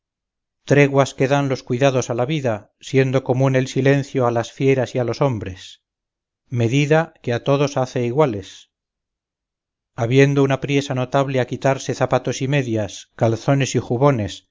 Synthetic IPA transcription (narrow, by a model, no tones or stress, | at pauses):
t̪ɾe̞ɣwaske̞ðanlo̞skwiðaðo̞salaβiða | sje̞nd̪oko̞mune̞lsile̞n̟θjo̞alasfje̞ɾasialo̞so̞mbɾe̞s | me̞ðiðakeat̪o̞ðo̞saθeiɣwale̞s | aβje̞nd̪o̞unapɾje̞sano̞t̪aβle̞akit̪aɾse̞θapat̪o̞sime̞ðjaskalθo̞ne̞sixuβo̞ne̞s